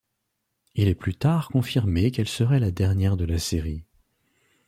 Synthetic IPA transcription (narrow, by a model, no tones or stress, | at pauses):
ilɛplyt̪aʁkɔ̃fiʁmekɛlsəʁɛlad̪ɛʁnjɛʁd̪əlaseʁi